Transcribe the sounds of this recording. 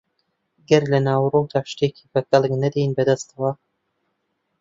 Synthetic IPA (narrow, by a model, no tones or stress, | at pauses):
ɡɐɾlɐnaːwrowt̪aːʃt̪ekʰibɐkɐlˠɨknɐd̪ejinbɐd̪ɐst̪ɐwa